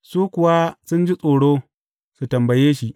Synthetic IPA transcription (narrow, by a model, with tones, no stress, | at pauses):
suː˦kʷʊ˨wa˦sʊ˦nd͡ʒi˦sʼoː˨ɽoː˦ | su˨tɐ˨mbɐ˨jeː˦ʃi˦ʔ